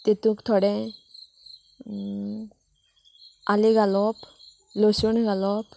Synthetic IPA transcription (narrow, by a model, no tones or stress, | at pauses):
t̪it̪ũkt̪ʰɔɽɛ̃ | aliɡalɔp | lɔsunɡalɔp